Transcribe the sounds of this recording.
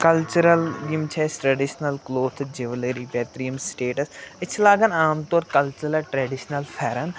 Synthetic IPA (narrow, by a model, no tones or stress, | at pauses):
kəlt͡ʃuɾəlɡɪmt͡ʃʰɛːsʈɾəɖiʃnəlkloːt̪ʰd͡ʒɪʋəleːɾiːpɛːt̪ɾijəmsʈeːʈəsɪt͡ʃʰlaːɡənaːmt̪oːɾkəlt͡ʃəlɛʈɾɛːɖɪʃnəlpʰɛːɾən